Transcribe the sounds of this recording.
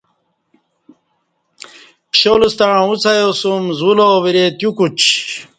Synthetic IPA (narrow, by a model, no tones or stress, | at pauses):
pɕolust̪aɻ̃ut͡sʰajosumzulowiɾet̪jukut͡ɕ